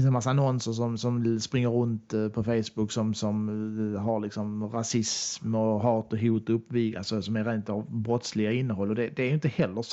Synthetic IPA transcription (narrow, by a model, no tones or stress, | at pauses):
fɪnsɛnmasːaanɔnsəɾʂɔmsɔmspɾɪŋːəɾːɵnt̪pʰɔfejsbʊkːsɔmsɔmɦɑɾlɪksɔmɾasɪsmɔɦɑːt̪ɔɦuːt̪ɵpːvɪɡa̰lsɔsɔmæɾent̪ɑvbɾɔt̪slɪɡaɪnːəɦɔlːɔd̪ɛd̪ɛæɾjʏnt̪əhɛlːə